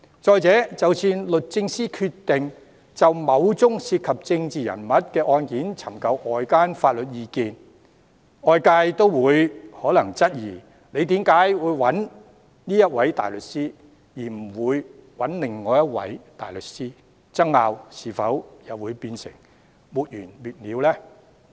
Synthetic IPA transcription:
t͡sɔː˧jt͡sɛː˨˥t͡sɐ˨wsiː˧nlɵ˨t̚t͡sɪ˧ŋsiː˥kʰyː˧t̪ɪ˨ŋ | t͡sɐ˨wmɐ˨˧wt͡sʊ˥ŋsiː˧t̚kʰɐ˨p̚t͡sɪ˧ŋt͡siː˨jɐ̰˨˩nmɐ˨˥t̚kɛː˧ʔɔː˧nkiː˨˥nt͡sʰɐ˨˩mkɐ˧wʔɔː˨jkaː˥nfaː˧t̚lɵ˨t̚jiː˨˧kiː˧n | ɔː˨jkaː˧jt̪o˥wwuː˨˧jhɔː˨˥lɐ˨˩ŋt͡sɐ˥t̚jiː˨˩ | ne˨˧jt̪iː˨˥mkaː˨˥jwuː˨˧jwɐ˨˥n | niː˥jɐ˥t̚wɐ˨˥jt̪aː˨jlɵ˨t̚siː˥ | jiː˨˩m̩˨˩wuː˨˧jwɐ˨˥nlɪ˨˩ŋːɔː˨˧jɐ˥t̚wɐ̰˨˥jt̪a̰ː˨˩jlɵ˨t̚siː˥ | t͡sɐ˥ŋːaː˧wsiː˨fɐ˨˥wjɐ˨wuː˨˧jpiː˧nsɪ̰˨˩ŋ | muː˨t̚jyː˨˩nmyː˨t̚liː˨˧wlɛː˥

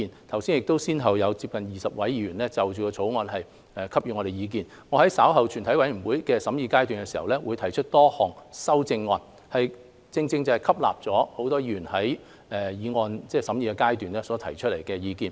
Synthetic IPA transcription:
i˨nt̪ʰɐ˨˩wsiː˥njɪ˨k̚t̪o˥wsiː˥nɦɐ˨wjɐ˨˧wt͡si˧p̚kɐ˨njiː˨˩sɐ˨p̚wɐ˨˥jyː˨˩nlɛː˥t͡sɐ˨wt͡ʃyː˨kɔː˧t͡sʰo˨˥wŋɔː˧nɦɐ˨j | ɛː˨kʰɐ˥p̚yː˨ŋɔ˨˧ɾe˨˩jiː˨˧k̬iː˨n | ŋɔ˨˧hɐ˨˥jsaː˨˥wɦɐ˨wt͡ʃʰyː˨˩nt̪ʰɐ˨˥jwɐ˨˥jm̩˨˩wuː˨˥jkɛː˧sɐ˨˥mjiː˧kaː˥jt̪yː˨nkɛ˧siː˨˩hɐ̰˨wlɛː˥wuː˨˧jt̪ʰɐ˨˩jt͡ʃʰɵ˥t̚t̪ɔː˥hɔː˨˩ŋsɐ˥wt͡sɪ˧ŋːɔː˧n | hɐ˨j | t͡sɪ˧ŋt͡sɪ˧ŋt͡sɐ˨˩hjkʰɐ˥p̚la̰ː˨p̚t͡sɔː˨˥ho˨˥wt̪ɔː˥ji˧y˨˩nhɐ˨˥j | ɛː˨jiː˨˧ŋɔː˧nt͡sɛː˥˩sɐ˨˥mjiː˨˧kɛː˧kaː˥jt̪yː˨nɛː˥sɔː˨˥t̪ʰɐ˨˩jt͡ʃʰɵ˥t̚le˨˩jkɛː˧jiː˨˧kiː˨n

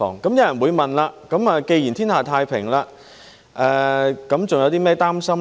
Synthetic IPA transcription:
ɔ̰ː˨˩ŋkɐ˨˦˥mjɐ˨˧˥wjɐ˨˩nwuː˨˧jmɐ˨˩nlaː˧kɐ˨˥maː˧ke˧ji˨˩nt̪ʰiː˥nhaː˨˩t̪ʰaː˧jpʰɪ˨˩ŋlaː˧ | ʔɛː˧kɐ˨˧˥mt͡sʊ˨ŋjɐ˨˧wt̪iː˥mɛː˥t̪aː˥msɐ˥m

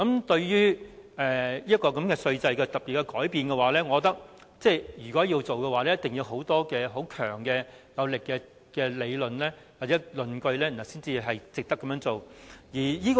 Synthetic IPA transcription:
kɐ˨˧˥mt̪ɵ˧ɥjyː˥ʔɛː˨˩jiː˥ɐ˥tkɔː˧kɐ˨˧˥mkɛː˧sɵ˧ɥt͡sɐ˧jkɛː˧t̪ɐ˨p̚pi˨t̚kɛ˧kɔː˨˥jpiː˨nkɛ˧waː˨˦lɛː˥ŋɔː˨˧ɔ˧t̪ɐ˥k̚ | t͡sɛː˥˧jyː˨˩kɔː˨˥jiː˧wt͡so˨wkɛ˧waː˨˦lɛ˥jɐ˥t̪ɪ˨˩ŋji˧wɦo˨˥wt̪ɔː˥kɛː˧ɦo˨˥wkʰœ̰ː˨˩ŋkɛː˧ | jɐ˨˧wlɪ˨kːɛː˧ | kɛː˧le˨˧jlɵ˨nlɛː˥ | waː˨k̚t͡sɛː˨˥lɵ˨nkɵ˧ɥlɛː˥m̩˨˩ɐ˨˩siː˥nt͡siː˧ɦɐ˨jt͡sɪ˨k̚t̪ɐ˥kːɐ˨˥mjœː˧˥ŋt͡so˨wjiː˨˩jiː˥k

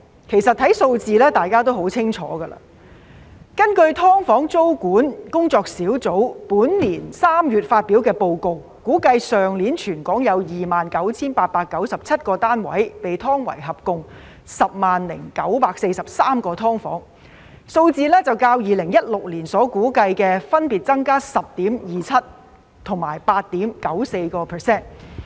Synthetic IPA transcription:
kʰe˨˩jsɐ˨t̚hʰɐ˨˥jso˧wt͡siː˧lɛː˥t̪aː˨jkaː˥t̪o˥wɦo˨˥wt͡sʰɪ˥ŋt͡ʃʰɔ̰ː˨˥ɡɐ˧la̰ː˧ | kɐ˥nkɵ˧ɥt̪ʰɔː˥ŋfɔː˨˥ŋt͡so˥wkuː˨˥nkʊ˥ŋt͡sɔː˧k̚siː˨˥wt͡so˨˥wpuː˨˥nliː˨˩nsaː˥mjyː˨˩t̚faː˧t̚piː˨˥wkɛː˧po˧wko˧w | kuː˨˥kɐ˧jsœː˨˩ŋliː˨˥nt͡ʃʰyː˨˩nkɔː˨˥ŋjɐ˨˧wjiː˨˩maː˨nkɐ˨˥wt͡sʰiː˥npaː˧t̚paː˧kːɐ˨˥wsɐ˨p̚t͡sʰɐ˥t̚kɔː˧t̪aː˥nwɐ̰˨˥jpe˨jt̪ʰɔː˥ŋwɐ̰˨˩jɦɐ˨p̚kʊ˧ŋ | sɐ˨p̚maː˨nlɪ̰˨˩ŋkɐ˨˥wpaː˧k̚se˧jsɐ˨p̚saː˥mkɔː˧t̪ʰɔː˥ŋfɔː˨˥ŋ | so˧wt͡siː˧lɛː˥t͡sɐ˨wkaː˧wjiː˨lɪ˨˩ŋjɐ˥t̚lʊ˨k̚liː˨˩nsɔː˨˥kuː˨˥kɐ˧jkɛː˧fɐ˥npiː˨t̚t͡sɐ˥ŋkaː˥sɐ˨˩p̚t̪iː˨˥mjiː˨˩t͡sʰɐ˥t̚ | t̪ʰʊ˨˩ŋmaː˨˩jpaː˧t̚t̪iː˨˥mkɐ˨˥wse˧jkɔː˧pʰɛ˨sɛː˥n

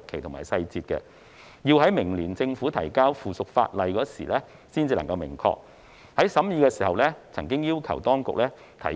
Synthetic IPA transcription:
t̚kʰe˨˩jt̪ʰʊ˨˩ŋmaː˨˩jsɐ˧jt͡siː˧t̚kɛ̰˧ | jiː˧wɦɐ˨˥jmɪ˨˩ŋliː˨˩nt͡sɪ˧ŋfuː˨˥t̪ʰɐ˨˩jkaː˥wfuː˨˩sʊ˨k̚fa̰ː˧t̚lɐ˨jkɔː˨˥sḭː˨˩lɛː˥ | siː˥nt͡siː˧lɐ˨˩ŋkɐ˧wmɪ̰˨˩ŋkʰɔ̰ː˧k̚ | hɐ˨˥jsɐ˨˥mjiː˧kɛː˧siː˨˩hɐ˨wlɛː˥t͡sʰɐ˨˩ŋkɪ˥ŋjiː˥wkʰɐ̰˨˩wt̪ɔː˥ŋkʊ̰˨k̚lɛː˥ | t̪ʰɐ̰˨˩

